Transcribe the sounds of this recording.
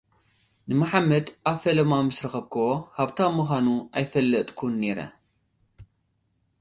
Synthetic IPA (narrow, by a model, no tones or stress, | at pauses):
nɨmɐħamːɐd̪ʔaβfɐlɐmamɨsɾɐxɐβkʰɐohaβt̪ʰamːuxanuʔajfɐlːɐt̪ʼkʰunːe̞ɾɐ̰